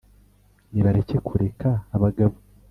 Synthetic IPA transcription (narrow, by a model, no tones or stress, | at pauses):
niβaɾe̞ce̞kʰuɾe̞kʰaːβaɡaβo